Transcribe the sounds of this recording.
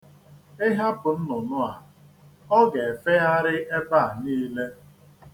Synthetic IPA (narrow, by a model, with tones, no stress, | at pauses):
ɪ˦ɦa˦pʊ˨n̩˦nʊ˨nʊ˦a˨ | ɔ˦ɡe˨e˨fe˦a˦ɾɪ˦ʔe˦ba˦˨a˨niː˦le˦